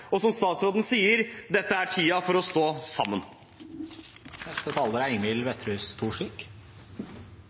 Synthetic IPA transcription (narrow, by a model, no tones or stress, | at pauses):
ɔsɔmst̪ɑːt̪sɾoːd̪n̩siːəɾd̪ɛt̪ːəæʈʰiːɑfɔɾɔst̪oːsɑmːən | nɛst̪ət̪ʰɑːləɾæɪmɪlʋɛt̪ʰɾʉːst̪ʰuːʂik